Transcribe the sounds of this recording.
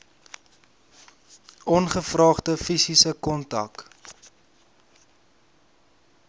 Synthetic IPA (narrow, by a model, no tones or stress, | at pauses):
ɔnχəfrɑːχdəfisisəkɔntɐ̰k